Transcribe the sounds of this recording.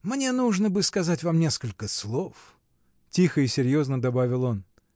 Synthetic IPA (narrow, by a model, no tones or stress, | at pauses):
mnʲe̞nuʐnəbɨskɐzatʲvamnʲe̞skəlʲkəslˠof | tʲixəɪsʲɪɾʲjo̞znəd̪ɐbavʲɪlˠo̞n